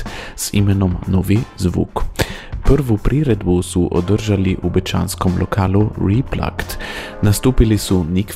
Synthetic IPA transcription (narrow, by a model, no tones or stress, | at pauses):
sḭmɛnɔmnɔːʋizʋṵkpəɾʋupɾiːɾɛd̪busuʔɔ̰d̪əɾʒaliʔubɛt͡ʃa̰ːnskɔmlʔɔkʰaːluɾipla̰kt̪ | nast̪uːpilisunik